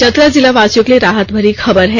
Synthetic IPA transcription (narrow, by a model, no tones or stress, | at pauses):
t͡ʃət̪ɾəd͡zilaʋaːsjokleɾaːɦət̪bʱəɾixɐbəɾɦɛ